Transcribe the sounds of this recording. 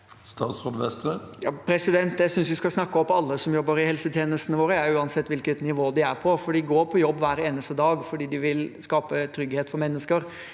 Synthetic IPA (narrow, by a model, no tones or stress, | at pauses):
st̪ɑːt̪sod̪ʋɛst̪ɾə | jɑːpʰɾɛsɪd̪ɛnt̪jæɪsʏnsʋɪskɑsnɑkːəɔpːɑlːəsɔmjɔbːəɾɪhɛlsət̪ʰjeːnəst̪ənəʋoːɾəjæʉːɑnsɛt̪ːʋɪlkət̪nɪʋoːd̪ɪæɾpʰɔfɔɖiːɡoːɾpʰɔjɔbːʋæːɾeːnəst̪əd̪ɑːɡfɔɖiːd̪ɪʋɪlskɑːpət̪ʰɾʏɡheːt̪fɔɾmɛnːəskəɾ